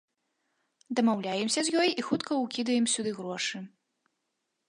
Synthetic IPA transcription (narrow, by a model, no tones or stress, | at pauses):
d̪ɐmawlʲajɛmsʲɐzʲjɔjixut̪kɐukʲid̪ɐjɛmsʲud̪ɨɣɾɔʂɨ